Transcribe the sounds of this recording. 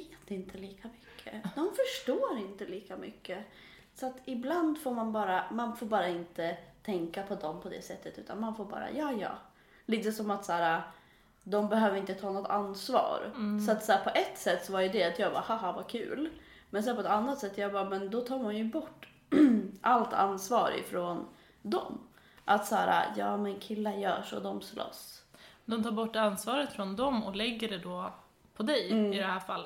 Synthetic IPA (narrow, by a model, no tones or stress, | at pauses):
veːt̪ɪnt̪ʰəliːkʰamʏkʰːə̰ɔnfœʂʈoːɾɪnt̪əliːkamʏ̰kːə | sɔat̪ɪbland̪foːɾmanbɑːɾamanfoːɾbɑːɾaɪnt̪ət̪ʰɛŋkapʰɔd̪ɔmpʰɔd̪ɛ̰sɛt̪ːət̪ʉ̟ːt̪anmanfoːɾbɑ̰ːɾa̰jɑːjɑ̰ː | liːt̪əsɔmat̪sæːɾa | d̪ɔmbɛɦøːvəɾɪnt̪ət̪ʰɑːnɔt̪ːʰansvɑ̰ːɾsɔat̪sæːɾpʰɔʔɛt̪ːsɛt̪ːsɔvaɾjɵd̪ɛat̪jɑːɡba̰ːhahavakʰʉ̰ːl | mɛnsɛnpʰɔɛt̪anːat̪sɛt̪ːjɑːɡbɑːɾmɛnd̪ɔt̪ʰɑːɾmanjɵbɔʈː | ʔalt̪ʰa̰nsvɑːɾɪ̰fɾon | d̪ɔ̰m | ʔat̪sæːɾa̰jɑːmɛnkʰɪlːajœ̰ːʂɔ̰d̪ɔmslʔɔ̰sːnd̪ɔmt̪ʰɑːɾbɔʈːansvɑːɾət̪fɾɔnd̪ɔmɔ̰lɛɡːəɖɛd̪ɔ | pʰɔd̪ɛjɪd̪ɛhæːɾfalːə